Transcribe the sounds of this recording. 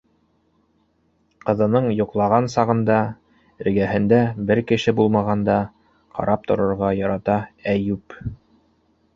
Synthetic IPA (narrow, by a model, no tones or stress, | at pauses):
qɤ̆ðɤ̆nɤɴjŏqlˠɑʁɑnsɑʁɤ̆nd̪ɑ | ɘ̆ɾɡæɦɘ̆nd̪æbɘɾkɘ̆ʃɘbulˠmɑʁɑnd̪ɑ | qʰɑ̰ɾʔɑp̚t̪ŏɾŏɾʁɑjɑɾɑt̪ɑæjʉp